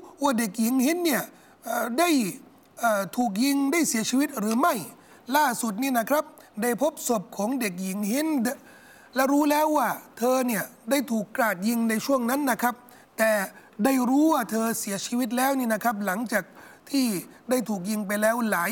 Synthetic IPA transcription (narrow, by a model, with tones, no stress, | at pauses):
waː˥˩de˨˩k̚ji˨˦ŋhi˦˥nːi˥˩ɐ | ʔːda˥˩j | ʔəː˨˩t̪ʰuː˨˩k̬̚ji˧ŋdaː˥˩jsi˨˩˦ɐt͡ɕʰiː˧wi˦˥t̪̚ɾɯː˨˩˦ma˥˩j | laː˥˩su˨˩t̪̚niː˥˩na˦˥kʰɾa˦˥p̚ | da˥˩jpʰo˦˥p̚so˨˩p̚kʰɔː˩˦ŋde˨˩k̬̚ji˨˩˦ŋhi˦˥n˥ | lɛ˦˥ɾuː˦˥lɛː˦˥wːaː˥˩t̪ʰɤː˧ni˥˩ɐda˥˩jt̪ʰuː˨˩kːɾaː˨˩t̪̚ji˧ŋna˧jt͡ɕʰu˥˩əŋna˦˥nːa˦˥kʰɾa˦˥p̚ | t̪ɛː˨˩ | da˥˩jɾuː˦˥waː˥˩t̪ʰɤː˧si˩˦ɐt͡ɕʰiː˧wi˦˥t̪̚lɛː˦˥wniː˥˩na˦˥˩kʰa˦˥p̬̚la˩˦ŋt͡ɕaː˨˩k̚t̪ʰiː˥˩daː˥˩jt̪ʰuː˨˩k̬̚ji˧ŋpa˧jlɛː˦˥wlaː˩˦